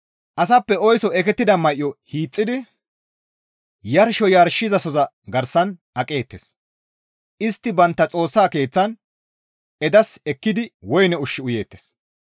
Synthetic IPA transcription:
ʔɐs̬ɐpːɛɔjsɔɛkɛt̪ːɪd̪ɐmɐʔjːɔhiːt͡sʼːɪd̪ɪ | jɐɾʃɔjɐɾʃɪzɐsɔzɐ | ɡɐɾsːɐn | ɐkʼe̞ːt̪ːes | ʔɪst̪ːɪbɐnt̪ːɐt͡sʼo̞ːsːaːke̞ːt͡sːɐn | ɛd̪ɐsɛkːɪd̪ɪwɔjnɛʊʃːɪʊje̞ːt̪ːes

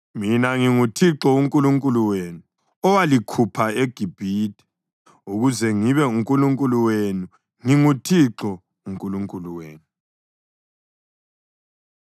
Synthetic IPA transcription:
minaŋiŋutʰiǁɔuŋkʼuluŋkʼuluwenu | ɔwalikʰupʰaeɡ̥ʱib̥ʱiːtʰʼɛ̥ | uɣuzɛŋiβɛuŋkʼuluŋkʼuluwenu | ŋiŋutʰiǁɔ | uŋkʼuluŋkʼuluweːnu

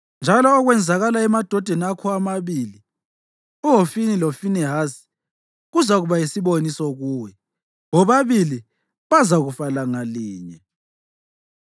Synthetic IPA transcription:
nd͡ʒʱalɔːɣwɛnd͡zʱaɣalaɛmad̥ʱɔd̥ʱɛnakʰɔamaβili | uɦofinilofinɛɦasi̥ | ɣuzaɣuβajisiβonisɔɣuːwɛ | ŋɔβaβili | βazaɣufalaŋaliːɲɛ

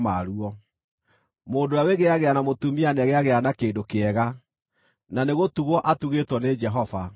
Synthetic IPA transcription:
maɾuɔ | moːndoaweɣeaɣeanamotumianɛɣeaɣeanakeːdokeɛɣa | naneɣotuɣɔʔatuɣetwɔned͡ʒɛɦɔva

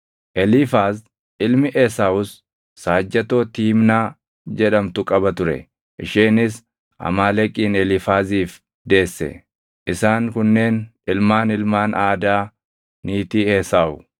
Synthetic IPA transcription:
ʔɛlɪfaːz | ʔɪlmɪʔesaːwʊsː | aːd͡ʒːɐt̪oːt̪iːmnaː | d͡ʒɛᶑɐmt̪ʊkʼɐbɐt̪ʊɾɛ̰ | ʔɪʃeːnɪs | ʔɐ̰maːlɛkʼːiːnɛlɪfaːziːf | d̪e̞ːsːɛ̰ | ʔɪsaːŋkʊnːe̞ːnɪlmaːnɪlmaːnʔaːd̪aː | niːt̪iːeːsaːʊ̰

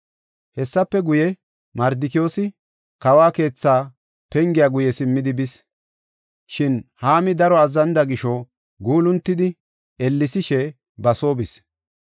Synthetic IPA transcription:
hɛsːɐpːɛɡʊjɛ | mɐɾd̪ɪkɪjoːsɪ | kɐwaːke̞ːt͡sːaː | pɛŋɡɪjaɡʊjɛsɪmːɪd̪ɪbɪs | ʃɪnhaːmɪd̪ɐɾɔɐzɐnd̪ɐɡɪʃɔ | ɡuːlʊnt̪ːɪd̪ɪ | ɛlːɪsɪʃɛ | bɐso̞ːbɪs

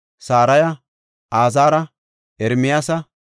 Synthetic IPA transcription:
saːɾɐjɐ | aːzaːɾɐ | ʔɛɾmɪjaːsɐ

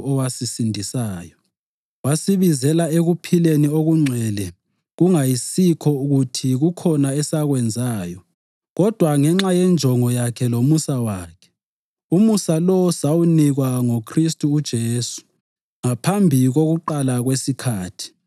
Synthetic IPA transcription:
ɔwasisindʱisaːjɔ | wasiβizɛlaeɣupʰilenioɣuŋ͡ǀʱɛlɛ | ɣuŋajisikʰɔuɣutʰiɣukʰɔnaɛsaɣwɛnd͡zʱaːjɔ | ɣɔd̥ʱwaŋɛŋ͡ǁajɛnd͡ʒʱɔŋɔjakʰɛlomusawaːkʰɛ̥ | umusalɔwsawuniɣwaŋokʰristʼuːd̥ʒ̥ʱeːsu̥ | ŋapʰambʱiɣoɣuǃalaɣwesikʰaːtʰi̥

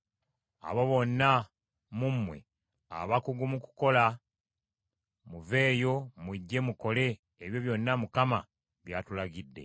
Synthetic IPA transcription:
a̰βo̞βo̞nːa | mumːwe̞̰ | a̰βakuɡumuku̥ko̞la | muve̞ːjo̞mwiɟːe̞muko̞le̞ː | βjo̞βjo̞nːamukama | βjaːtulaɡidːe̞̰

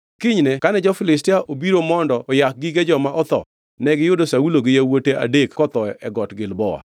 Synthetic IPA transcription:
kɪɲnɛkanɛd͡ʒɔfɪlɪstɪaʔobiɾomɔndɔʔːjak̚ɡiɡed͡ʒɔmaʔɔt̪ɔ̰ | nɛɡɪjʊdosauloɡɪjawotea̰dekkɔt̪ɔɛɡɔtɡɪlbɔwa̰

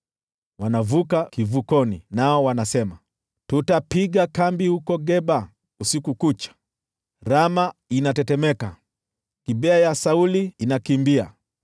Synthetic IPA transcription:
wanavukakivukɔninaɔwanasɛma | tutapiɠakambihukɔɡɛba | usikukut͡ʃḁ | ɾamainatɛtɛmɛka | kiɓɛajasauliːnakimbia̰

